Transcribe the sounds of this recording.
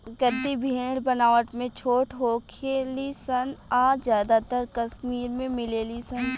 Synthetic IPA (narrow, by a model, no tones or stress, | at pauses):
ɡət̪ibʱeːɽbɐnaːʋəʈmẽt͡ʃʰoːʈɦoːkʰelisɐnaːzjaːd̪at̪əɾkɐsmiːɾmẽmɪleːlisən